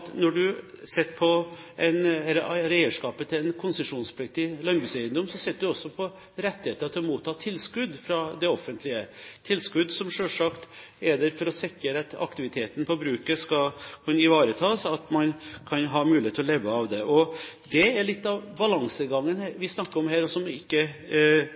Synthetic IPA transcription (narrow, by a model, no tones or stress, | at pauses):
t̪nɔɖʉ | sɛt̪ːpʰɔ | ʔɛɪnɛlːəɾæɪəʂkɑːpət̪ʰɪlɛnkʰʊnsəʂuːnspʰlɪk̚t̪ɪlɑnbɾʉsæɪənd̪ɔmsɔsɛt̪̚ːd̪ʉɔsːɔpʰɔ | ɾɛt̪ːɪheːt̪əɾɑt̪ʰɪlɔmuːt̪ʰːɑːt̪ʰɪlskʉd̪fɾɑd̪ɛɔfːənt̪ʰlɪət̪ʰɪlskʉd̪ːsɔmʂøːʂɑkt̪ | ɛd̪ɛɾfɔɾɔsɛkːəɾɑt̪ɑ̰kt̪ɪʋɪt̪ʰeːt̪ən̩pʰɔbɾʉːkəskɑlkʰʉnːəɪʋɑːɾət̪ʰɑːsɑt̪mɑnkʰɑnɦɑːmʉːlɪet̪ʰːɪlɔleːʋəɑʋd̪ɛʔɔd̪ɛæɭɪt̪ːɑʋbɑlɑŋsəɡɑŋːənhʋɪsnɑkːəɾɔmɦæːɾɔsɔɔmɪkːə